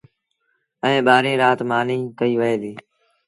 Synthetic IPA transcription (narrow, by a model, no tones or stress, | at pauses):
ɛẽːɓaːɾẽːɾaːt̪maːnĩːkəiːʋəɦeːd̪iː